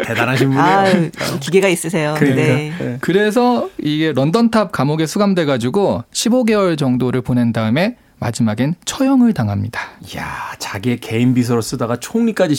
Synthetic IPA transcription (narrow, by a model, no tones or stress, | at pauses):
tedanaɕʰima | kiɡeɡais͈ɯs̬ʰe̞jokɯinekɯɾe̞s̬ʰʌiɡe̞ɾʌndʌntʰap̚kamoɡe̞sʰuɡamdwe̞ɡad͡ʑiɡoɕʰiboɡe̞wʌɭt͡ɕʌŋdoɾɯɭpone̞ndaɯme̞ | ma̰d͡ʑimaɡent͡ɕʰʌjʌŋɯɭtaŋɦamɲidḁjat͡ɕaɡieke̞imbis̬ʰʌɾos͈ɯdaɡat͡ɕʰoŋɲik͈ad͡ʑi